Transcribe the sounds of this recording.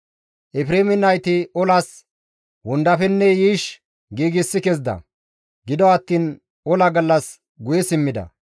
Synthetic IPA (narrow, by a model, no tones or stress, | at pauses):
ʔɛfɾeːmɪnɐjt̪ɪʔɔlɐs | wʊnd̪ɐfɛnːɛjiːʃ | ɡiːɡɪsːɪkɛzd̪ɐ̰ | ɡɪd̪ɔɐt̪ːiːn | ɔlɐɡɐlːɐs | ɡʊjɛsɪmːɪd̪ɐ̰